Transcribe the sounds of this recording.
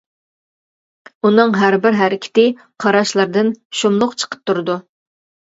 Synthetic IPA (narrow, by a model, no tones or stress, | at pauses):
unɨŋɦæɾbɪɾɦæɾɪkʲʰɪ̥t̪ɪ | qʰɑɾɑʃlˠɑɾd̪ɨnʃomlˠʊqt͡ʃʰə̥qʰə̥p̚t̪ʰuɾɨd̪u